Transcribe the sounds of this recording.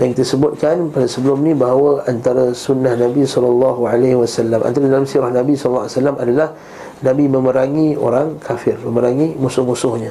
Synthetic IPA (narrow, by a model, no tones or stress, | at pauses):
jaŋkit̪asəbʊt̪̚kanpadasəbəlʊmnĩbaɦawaant̪aɾasunːahnãbisɔlalːɑɦualehwasalːamʔa̰nt̪aɾadalamsiɾahnabisɔlɔlːawasalːamadalah | nãbimə̃məɾaŋio̰ɾaŋkʰafɪrməməɾaŋimusʊhmusʊhɲa